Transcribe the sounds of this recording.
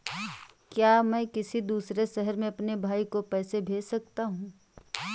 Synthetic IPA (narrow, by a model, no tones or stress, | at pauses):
kjaːmɛ̃ːkɪsid̪uːsɾeʃɛɦəɾmẽɐpnebʱaːikopɛːsebʱeːd͡ʒsɐk̚t̪aɦũː